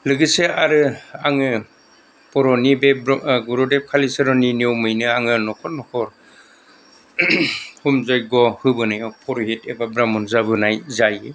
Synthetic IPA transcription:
lɯɡɯseaɾɯaŋɯ | pɔɾɔnibeɡuɾɔdep̚kʰalisɯɾɔniniɔwmɯjnɯaŋɯnɔkʰɔɾnɔkʰɔɾ | humzɔjɡɔhɯbɯnajɔpʰɔɾɦitebabɾamɔnzabɯnajzaj

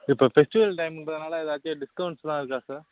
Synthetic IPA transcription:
ɪpːoːfɛsʈɪʋɐlʈɐɪmɪnɾɐðɯnaːlɐɪðaːt͡ʃːeɖɪskɐʊɳʈst̪ãːɪɾɯkːaːsaːɾ

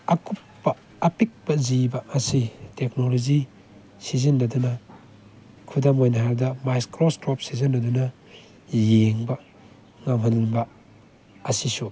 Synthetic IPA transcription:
ɐkupːɐː | pik̚bɐzibɐɐsiteknolozi | sizɐnːɐdunɐ | kʰudamojnɐɦaɾdɐmajskɾostɾɔp̚sizɐnːɐdunɐ | jeŋbɐ | ŋamɦɐlbɐ | ɐsisu

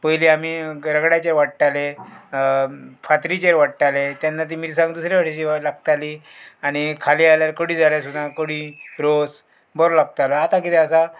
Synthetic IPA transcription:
pəjliamiːɾəɡɽjat͡ɕeɾʋaʈʈ̪ale | fat̪ɾit͡ɕeɾʋaʈʈ̪alet̪janːat̪̬imiɾsãŋɡd̪usɾjaʋaʈɕialaɡt̪ali | aɽ̃ikʰaliːaljaɾkəɽiːd͡zaljas̬ud̪ãkəɽiːɾos | bɔɾlaɡ̚t̪alɔat̪akit̪ʰɛəsa

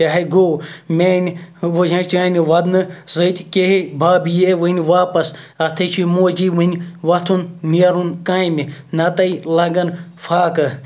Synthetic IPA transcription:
aɦɐɡoːmʲeːnʲʋod͡ʒãːt͡ʃãːnʲʋɐd̪nɨzət̪ʲkeɦibʱaːbijeʋɨnʲʋaːpɐs | ɐt̪ʰɐt͡ʃʰimoːd͡ʒiːʋɨnʲʋɐt̪ʰunneɾunkaːiminɐt̪ɐilɐɡɐnfʰaːkɨ

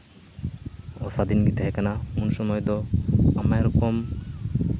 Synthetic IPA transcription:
ɔsad̪inɡit̪ɛɦɛkanaunsɔmɔjd̪ɔamajɾɔkɔm

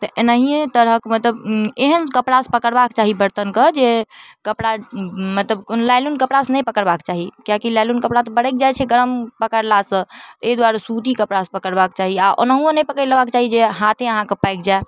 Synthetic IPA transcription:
t̪əʔenəɦiet̪əɾɦəkmət̪ləbeɦənkəpɽaspəkəɾbakt͡ʃaɦibəɾt̪ənkəd͡ʒekəpɽamət̪ləbkonlajlunkəpɽasnəjpəkəɾbakt͡ʃaɦikjakilajlunkəpɽat̪ɔbəɽɛk̚d͡ʒajt͡ʃʰɛɡəɾəmpəkəɾlasə̃t̪ed̪waɾasut̪ikəpɽaspəkəɾbakt͡ʃaɦiaʔo̰nəɦuonəjpəkəɾləbakt͡ʃaɦid͡ʒeɦat̪ʰẽəɦãkepajkd͡ʒae

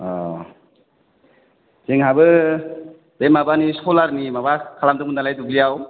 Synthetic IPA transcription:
ɔ̰ | zeŋɦabɯ | b̥emabaniskɔlaɾnimabakʰalamdɯmunːalajduɡlijaw

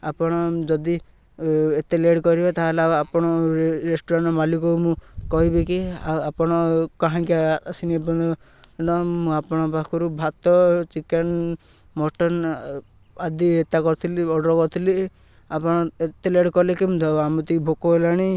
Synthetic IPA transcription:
apɔɽ̃ɔd͡ʒɔd̪i | et̪eleɽkɔɾibat̪alaapɔɽ̃ɔɾesʈɔɾɔɳʈmalikɔumũkɔɦibekiaapɔɽ̃ɔkaɦãkiasiniapɔnɔ | nɔmũapɔɽ̃ɔbakʰɔɾubʱat̪ɔt͡ʃiken | mɔʈɔn | ad̪iet̪akɔɾt̪ʰiliɔɽɾɔkɔɾt̪ʰili | apɔɽ̃ɔet̪eleɽkɔlekimũd̪ʱɔamut̪ibʱokɔelaɽ̃i

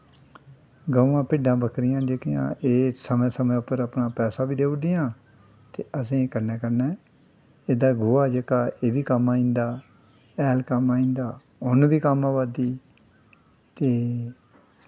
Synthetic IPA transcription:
ɡəːʋãːpɪɖãːbəkʰɾɪjãːd͡ʒekɪjã̰ːʔeːsəmɛ̃ːsəmɛ̃ːʊpəɾəpnaːpɛːsaːbiːd̪eːʊd̪ɪjãː | t̪eːəsĩːkəɾnɛːkəɾnɛː | eːd̪aːɡʊːaːd͡ʒekaːʔeːbiːkəmaːĩnd̪aː | ɛːlkəmaːĩnd̪aː | ʊnbiːkaːmãːʋaːd̪iː | t̪eː

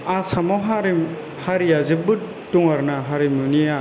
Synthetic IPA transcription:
asamɔɦaɾim | haɾijazɯbɯ | tuŋaɾnaɦaɾimunia

